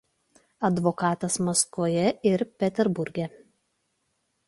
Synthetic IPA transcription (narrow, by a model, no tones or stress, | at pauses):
ɐd̪ʋɔkɑːt̪ɐsmɔskʋoːjɛɪɾpʲɛt̪ʲɛɾbʊɾʲɡʲɛ